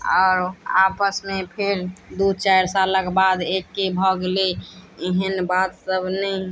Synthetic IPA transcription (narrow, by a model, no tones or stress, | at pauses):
ɔʊɾapəsmepʰeɾd̪ut͡ʃajɾsaləkbad̪ekːebʱəɡleeɦənbat̪səbʱnəi